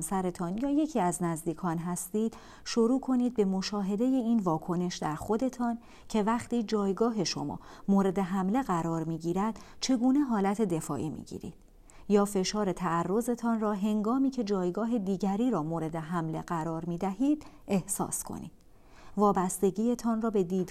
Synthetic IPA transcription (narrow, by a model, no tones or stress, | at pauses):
msæɾe̞t̪ʰɒnjɒːje̞cʰiːæznæzd̪iːkʰɒːnɦæst̪iːd̪̥ | ʃo̞ɾuːkʰo̞niːd̪̚be̞mo̞ʃɒːɦe̞d̪e̞je̞iːnvɒːkʰo̞ne̞ʃd̪æɾxo̞d̪e̞t̪ʰɒːn | cʰe̞væχt̪iːd͡ʒɒːjɡɒːɦe̞ʃo̞̰mɒ̰ː | moːɾe̞d̪e̞ɦæmle̞ɣæɾɒːɾmiːɟiːɾæd̪̥t͡ʃʰe̞ɡuːne̞ɦɒːlæt̪ʰe̞d̪e̞fɒ̰ːʔiːmḭɟḭːɾḭːd̪̥ | jɒːfe̞ʃɒːɾe̞t̪ʰæærːo̞ze̞t̪ʰɒnrɒːɦe̞ŋɡɒːmiːcʰe̞d͡ʒɒːjɡɒːɦe̞d̪iːɟæɾiːɾɒːmoːɾe̞d̪e̞ɦæmle̞ɢæɾɒːɾmiːd̪æɦiːd̪̥ | ʔe̞hsɒ̰ːskʰo̰nḭːd̪ | vɒːbæst̪e̞ɟiːjet̪ʰɒːnrɒːbe̞d̪iːd̪